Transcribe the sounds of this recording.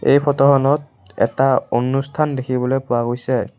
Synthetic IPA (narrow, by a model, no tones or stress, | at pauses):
ḛjpʰɔtɔxɔnɔt̚ | ɛ̰taonustʰandekʰibɔlojpʊwaɡojsɛ